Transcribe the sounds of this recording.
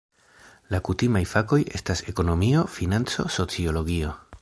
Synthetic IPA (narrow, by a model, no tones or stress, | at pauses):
lakutimajfako̞je̞̰stase̞ko̞no̞mio̞finant͡so̞̰so̞t͡sio̞lo̞ɡio̞